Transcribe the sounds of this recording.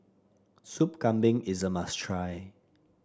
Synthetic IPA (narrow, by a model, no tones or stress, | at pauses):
supkãmbɪ̃ŋɪzəmastʰɹaɪ